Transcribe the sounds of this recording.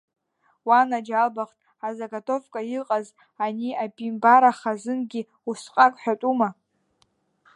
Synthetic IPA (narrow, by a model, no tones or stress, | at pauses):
wanad͡ʒalbaχtʼ | azaɡatʰʼo̞fkʼaiqʼaz | aniapʼimbaɾaχazɨnɡʲi | usqʼakʼħʷᶣatʼuma